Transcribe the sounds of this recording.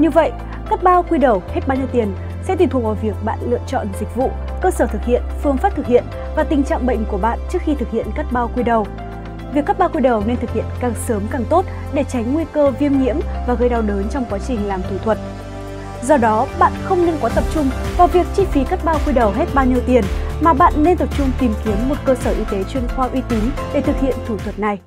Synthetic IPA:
ɲɨ˧və̰˧˨jʔ | kaː˦˥k̚ɓaː˧wkwi˧ɗə˨˩whe˦˥t̚ɓaː˧wɲi˧wt̪i˨˩ən | sɛ̰˧˥i˨˩t̪u˨˩ə˩kvaː˨˩wvi˨˩ək̚ɓa̰ː˧˨nlɨ̰˧˨ət͡ɕɔ̰˧˨nzï˨˩k̟̚vṵ˧˨ | kəː˧səː˧˩t̪ʰɨ˨˩k̚hḭ˧˨ənfɨ˧əŋfaː˦˥p̚t̪ʰɨ˨˩k̚hḭ˧˨ən | vaː˨˩t̪ï˨˩ŋ̟t͡ɕa̰ː˧˨ŋɓə̰˧˨jŋ̟ku˧˩əɓa̰ː˧˨nt͡ɕɨ˦˥ək̚xi˧t̪ʰɨ˨˩k̚hḭ˧˨ənka˦˥k̚ɓaː˧wkwi˧ɗə˨˩w | vi˨˩əkːaː˦˥ɓaː˧wkwi˧ɗə˨˩wne˧nt̪ʰɨ˨˩k̚hḭ˧˨ənkaː˨˩ŋsəː˨˦mkaː˨˩ŋt̪o˦˥t̚ | ɗe˧˩t͡ɕa˨˦jŋ̟ŋwi˧kəː˧vi˧əmŋḭ˧˥əmvaː˨˩ɣə˧jɗa˧wɗəː˨˦nt͡ɕɔ˧wŋ͡mkwaː˨˦t͡ɕï˨˩ŋ̟laː˨˩mt̪ʰu˧˩t̪ʰwə˨˩t̚ | zɔ˧ɗɔ˨˦ɓa̰ː˧˨nxə˧wŋ͡mnɨ˧ŋkɔ˨˦t̪ə˨˩p̚t͡ɕʊ˧ŋ͡mvaː˨˩wvi˨˩ək̚t͡ɕi˧fi˨˦kaː˦˥t̚ɓaː˧wkwi˧ɗə˨˩wɦe˦˥t̚ɓaː˧wɲi˧əwt̪i˨˩ənmaː˨˩ɓa̰ː˧˨nːe˧nt̪ə˨˩p̚t͡ɕʊ˧ŋ͡mt̪i˨˩mki˨˦ənːo˨˩t̚kəː˧səː˧˩ʔi˧t̪e˨˦t͡ɕwi˧ənxwaː˧ʔwi˧t̪i˨˦nɗe˧˩t̪ʰɨ˨˩k̚hḭ˧˨ənt̪ʰu˧˩t̪ʰwə˨˩t̚na˨˩j

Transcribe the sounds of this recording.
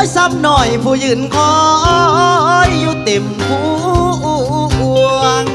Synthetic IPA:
jsa˧˥p̚nɔ˨˩jpʰuː˧˩jɯː˧˩nkʰɔː˧˦ʔɔː˧ʔɔ˧ʔɔ˧˥˩jːuː˧˩t̪e˨˩m | kʰu˧˦˧ʔʔu˧˩ʔku˧

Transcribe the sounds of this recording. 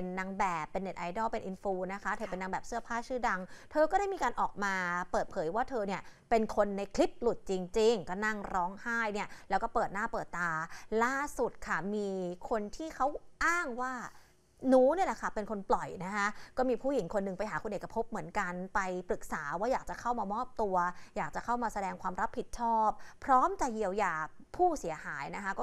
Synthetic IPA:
nːa˧ŋbɛː˨˩pːe˧nːe˨˩t̪ʔa˧jdɔː˥˩pe˧nʔi˧nfuː˧na˦˥kʰa˦˥t̪ʰɤː˧pe˧nːa˧ŋbɛː˨˩p̚sɯ˥˩ɐpʰaː˥˩t͡ɕʰɯː˥˩da˧ŋt̪ʰɤː˧kɔː˥˩ɾaː˥˩jmiː˧kaː˧nʔɔː˨˩k̚maː˧pɤː˨˩t̪̚pʰɤː˩˦jwaː˥˩t̪ʰɤː˧ni˥˩ɐpe˧nkʰo˧nːa˧jkʰli˦˥p̚lu˨˩t̪̚t͡ɕi˧ŋt͡ɕi˧ŋkɔː˥˩na˥˩ŋɾɔː˦˥ŋhaː˥˩jni˥˩ɐlɛː˦˥wkɔː˥˩pɤː˨˩t̪̚naː˥˩pɤː˨˩t̪ːaː˧laː˥˩su˨˩t̪̚kʰa˥˩miː˧kʰo˧nt̪ʰiː˥˩kʰa˦˥wʔaː˥˩ŋwaː˥˩ | nuː˦˥ni˥˩ɐla˨˩kʰa˥˩pe˧nkʰo˧nplɔ˨˩jna˦˥kʰa˦˥kɔː˥˩miː˧pʰuː˥˩ji˩˦ŋkʰo˧nːɯ˧ŋpa˧jɦaː˩˦kʰo˧nʔe˨˩kːɾa˧pʰo˦˥p̚mɯ˩˦ənka˧npa˧jpɾɯ˨˩k̚saː˩˦waː˥˩jaː˨˩k̚t͡ɕa˨˩kʰa˥˩wmaː˧mɔː˥˩p̚t̪u˧ɐjaː˨˩k̚t͡ɕa˨˩kʰa˥˩wmaː˧sa˧dɛː˧ŋkʰwaː˧mɾa˦˥pʰːi˨˩t̪̚t͡ɕʰɔː˥˩p̚ʰːɾɔː˦˥mt͡ɕa˨˩ji˧əwjaː˨˧˩pʰuː˥˩si˩˦ɐhaː˩˦jna˦˥kʰa˦˥kɔː˥

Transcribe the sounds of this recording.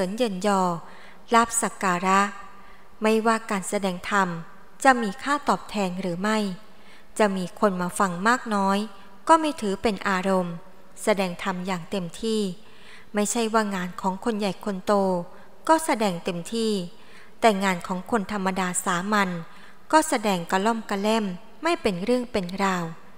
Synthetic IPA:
ɯ˩˦njɤ˧njɔː˧ | la˦˥˩p̚sa˨˩kaː˧ɾa˦˥ʔ | ma˥˩jwaː˥˩kaː˧nsa˧dɛː˧ŋt̪ʰa˧m | t͡ɕa˨˩ʔmiː˧kʰaː˥˩t̪ɔː˨˩p̚t̪ʰɛː˧ŋɾɯː˩˦ma˥˩j | t͡ɕa˨˩miː˧kʰo˧nmaː˧fa˧ŋmaː˥˩k̚nɔː˦˥j | kɔː˥˩ma˥˩jt̪ʰɯː˩˦pe˧nʔaː˧ɾo˧m | sa˧dɛː˧ŋt̪ʰa˧mjaː˨˩ŋt̪e˧mt̪ʰiː˥˩ | ma˥˩jt͡ɕʰa˥˩jwaː˥˩ŋaː˧nkʰɔː˩˦ŋkʰo˧nja˨˩jkʰo˧nt̪oː˧ | kɔː˥˩sa˧dɛː˧ŋt̪e˧mt̪ʰiː˥˩ | t̪ɛː˨˩ŋaː˧nkʰɔː˩˦ŋkʰo˧nt̪ʰa˧mːa˧daː˧saː˩˦ma˧n | kɔː˥˩sa˧dɛː˧ŋka˧lɔ˥˩mka˧lɛ˥˩mː | a˥˩jpe˧nɾɯ˥˩əŋpe˧nɾaː˧w

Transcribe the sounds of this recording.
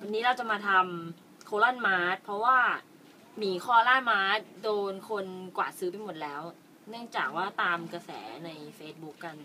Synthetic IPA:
wa˧nːiː˦˥ɾa˧wt͡ɕa˨˩ʔmaː˧t̪ʰa˧m | kʰoː˧la˥˩nmaː˦˥t̪̚pʰɾɔ˦˥waː˥˩ | miː˨˦kʰɔː˥˩laː˥˩nmaː˦˥t̪̚doː˧nkʰo˧nkwa̰ː˨˩t̪̚sɯː˦˥pa˧jmo˨˩t̪̚lɛː˦˥w | nɯ˥˩əŋt͡ɕaː˨˩k̚waː˥˩t̪aː˧mkɾa˧sɛ̰ː˩˦na˧jfeː˦˥t̪̚bu˦˥kːa˧n

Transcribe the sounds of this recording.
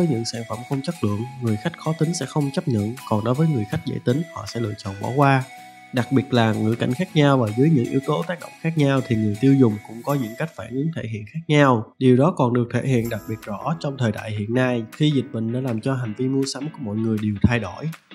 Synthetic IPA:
vəː˨˦jɲɨ̰˧˥ŋsaː˧˩nfə˧˩mxə˧wŋ͡mt͡ɕə˦˥k̚lɨ̰˧˨əŋːɨ˨˩əjxa˦˥jk̟̚xɔ˨˦t̪ï˨˦ŋ̟sɛ̰˧˥xə˧wŋ͡mt͡ɕə˦˥p̚ɲə̰˧˨nkɔ˨˩nɗo˨˦jvəː˨˦jŋɨ˨˩əjxa˦˥jk̚zḛ˧˥t̪ï˨˦ŋ̟hɔ̰˧˨sɛ̰˧˥lɨ̰˧˨ət͡ɕɔ̰ː˧˨nɓɔ̰˧˩˦kwaː˧ | ɗa˨˩k̚ɓi˨˩ət̚laː˨˩ŋɨ̰˧˥ka̰˧˩jŋ̟xaː˦˥k̚ɲa˧wvaː˨˩zɨː˨˦jɲɨ̰˧˥ŋʔḭ˨˦əwt̪o˨˦t̪aː˦˥k̚ɗə̰˧˨wŋ͡mxaː˦˥k̚ɲa˧wt̪ʰi˨˩ŋɨ˨˩əjt̪i˧əwzʊ˨˩ŋ͡mkʊ̰˧˥ŋ͡mkɔ˨˦ɲɨ̰˧˥ŋka˦˥jk̟̚faː˧˩nʔɨ˨˦əŋt̪ʰe˧˩ɦḭ˧˨ənxaː˦˥k̚ɲa˧wɗi˨˩əwɗɔ˨˦kɔ˨˩nɗɨ˨˩ək̚t̪ʰe˧˩hḭ˧˨ənɗa˨˩k̚ɓi˨˩ət̚zɔ̰˧˥t͡ɕɔ˧wŋ͡mt̪ʰəː˨˩jɗa̰ː˧˨jhḭ˧˨ənːa˧jxi˧zï˨˩k̟̚ɓï˨˩ŋ̟ɗa̰ː˧˥laː˨˩mt͡ɕɔ˧ɦa˨˩ŋ̟vi˧mu˧əsa˨˦mku˧˩əmɔ̰˧˨jŋɨ˨˩əjɗi˨˩əwt̪ʰa˧jɗo˧˩j

